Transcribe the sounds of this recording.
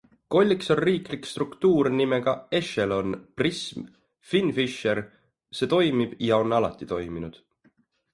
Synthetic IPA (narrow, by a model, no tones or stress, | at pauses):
ko̞lʲːikso̞nriːklikst̪rukt̪uːɾnime̞ɡ̥ɑe̞ʃelo̞nprism | finfiʃe̞ɾ | se̞ːt̪o̞jmib̥jɑo̞nɑlɑ̰t̪ːˑit̪o̞jminud̪̥